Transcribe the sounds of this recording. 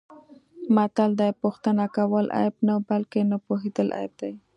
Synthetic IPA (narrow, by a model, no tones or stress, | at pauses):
mat̪ald̪ɑjpuxt̪anakawəlʔa̰jbnawbalkenapoɦed̪əlʔa̰jb̚d̪aj